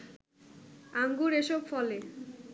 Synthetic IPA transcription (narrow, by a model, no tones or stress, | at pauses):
aŋɡuɾeʃobfɔle